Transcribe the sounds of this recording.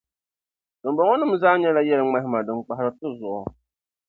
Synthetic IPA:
dɨ˨m˦bɔ˨ŋɔ˦nɨ˦m̩˦zaː˦ɲɛ˦la˦jɛ˦lɨ˦ŋ͡ma˦ɦɪ˦ma˨dɨ˨k͡pa˨ɦɾɨ˦tʊ˦zʊ˨ʔɔ˨

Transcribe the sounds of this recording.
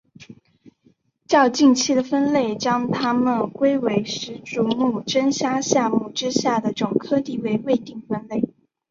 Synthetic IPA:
t͡ɕjɑ˥˧ʊt͡ɕi˥˧ŋt͡ɕʰi˥d̪ə˨˩fə˥nle˥˩ɪt͡ɕjɑ˥ŋt̪ʰa˥mə˨nkwe˥ɪwe˧˥ɪʂɻ̩˧˥ʈ͡ʂu˧˥mu˥˩ʈ͡ʂə˥nɕja˥ɕjɑ˥˧mu˥˩ʈ͡ʂɻ̩˥ɕja˥˩d̪ə˩ʈ͡ʂʊ˨˩ŋkʰɤ˥t̪i˥˩we˧˥ɪwe˥˧ɪt̪i˥˩ŋfə˥nle˥˩ɪ

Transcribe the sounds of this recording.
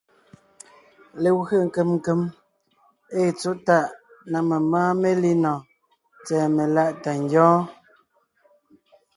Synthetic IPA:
le˨wɣə˦˨ŋ̩˨ke˦˨mŋ̩˦˨ke˦m | e˦˨t͡so˦ta˦˨ʔ | na˨me˨maː˦me˦li˦nɔ̃˨ | t͡sɛː˨me˨la˦˨ʔta˨ŋ˦ɡjɔ̃ː˦

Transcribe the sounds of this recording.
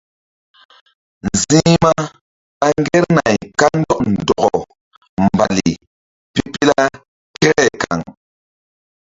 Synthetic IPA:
n˨zi˦ma˦ | a˦ŋ˦ɡe˦ɾna˨jka˦n˦dɔ˦ʔn̩˨dɔ˨ɡɔ˨ | m˨ba˨li˨ | pi˦pi˦la˦ | kɛ˦ɾɛ˦ka̰˨ŋ

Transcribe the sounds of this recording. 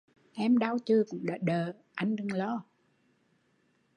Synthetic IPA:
ʔɛ˧mɗaː˧wt͡ɕɨ˧kʊ̰˧˥ŋ͡mɗa̰ː˨˩ɗəː˨˩ | ʔa˧jŋ̟ɗɨ˧ŋlɔ˧˥

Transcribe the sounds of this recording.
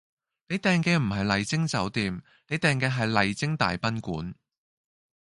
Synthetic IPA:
ne˨˧jt̪ɛː˨ŋkɛː˧m̩˨˩ɦɐ˨jlɐ˨jt͡sɪ˥ŋt͡sɐ˨˥wt̪iː˨m | ne˨˧jt̪ɛː˨ŋkɛː˧ɦɐ˨jlɐ˨jt͡sɪ˥ŋt̪a̰ː˨jpɐ˥nkṵː˨˥n

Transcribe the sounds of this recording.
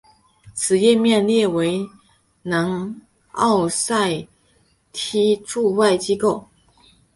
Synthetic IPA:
t͡sʰɹ̩˨˩jɛ˥˧mjɛ˥˧nljɛ˥˩we˧˥ɪ | na˧˥ŋ | ɑ˥˧ʊsa˥˧ɪ | t̪ʰi˥ʈ͡ʂu˥˧wa˥˩ɪt͡ɕi˥ko˥˩ʊ

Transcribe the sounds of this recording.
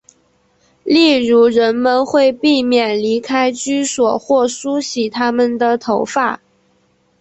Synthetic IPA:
li˥˩ɻu˧˥ɻə˧˥nmə˧nxwe˥˧ɪpi˥˩mjɛ˨˩nli˧˥kʰa˥ɪt͡ɕy˥swɔ˨˩xwɔ˥˩ʂu˥ɕi˨˥t̪ʰa˥mə˨nd̪ə˨˩t̪ʰo˧˥ʊfa˥˩

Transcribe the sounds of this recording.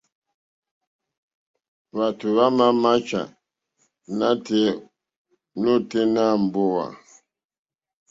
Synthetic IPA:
βa˨tu˨βa˦ma˦ma˦t͡ʃa̰˨ | na˦te˦ | no˦te˦na˦˨m̩˨bo˦wa̰˨

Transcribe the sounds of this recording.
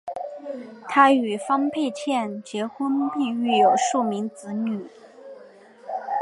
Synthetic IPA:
t̪ʰa˥y˨˩fɑ˥ŋpʰe˥˧ɪt͡ɕʰjɛ˥˩nt͡ɕjɛ˧˥xə˥npi˥˧ŋy˥˩jo˨˩ʊʂu˥˩mi˧˥ŋt͡sɹ̩˧˥ny˨˩˦

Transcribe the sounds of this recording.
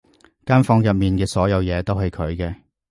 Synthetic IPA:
kaː˥nfɔː˧ŋjɐ˨p̚miː˨nkɛː˧sɔː˨˥jɐ˨˧wjɛː˨˧t̪o˥wɦɐ˨˧jkʰɵ˨˧ɥkɛː˧

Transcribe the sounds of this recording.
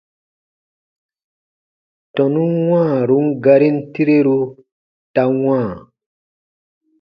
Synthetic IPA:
tɔ̃˨nũ˦wãː˦˨ɾu˨˦ŋ̩˦ɡa˧ɾi˦n̩˦ti˦ɾe˦ɾu˦ | ta˧wãː˦˨

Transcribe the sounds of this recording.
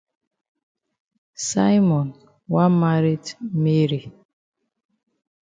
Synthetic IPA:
sa˦jmɔ˨n | wa˦ma˦ɾi˦tme˦ɾi˨

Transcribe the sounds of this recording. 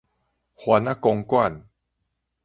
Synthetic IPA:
hwa˧na˦kɔ˧ŋkwa˥˨n

